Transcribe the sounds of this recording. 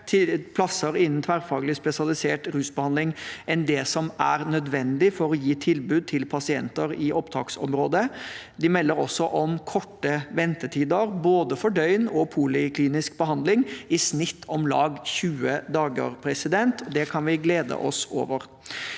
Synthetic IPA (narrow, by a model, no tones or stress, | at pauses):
t̪ʰɪpʰlɑsːəɾɪnːn̩t̪ʰʋæːɾfɑːɡlɪspɛsɪɑlɪseːʈɾʉːsbəhɑnd̪ɪŋɛnd̪ɛsɔmæɾnœd̪ʋɛnd̪ɪfɔɾɔjiːt̪ʰɪlbʉːd̪̚t̪ʰɪlpʰɑsɪɛ̰nt̪əɾɪʔɔpt̪ʰɑ̰ːksɔ̰mɾoːd̪ə | d̪ɪmɛlːəɾɔsːɔʔɔmkʰɔʈːəʋɛnt̪əʈʰiːd̪əɾboːd̪əfɔɖœʏnɔpʰulɪkʰliːnɪskbəɦɑnd̪lɪŋɪsnɪt̪ʰːɔmlɑːɡçʉːəd̪ɑːɡə̰ɾpʰɾɛsɪd̪ɛnt̪ʰd̪ɛkʰɑnʋɪɡleːd̪ə̰ʔɔso̰ːʋəɾ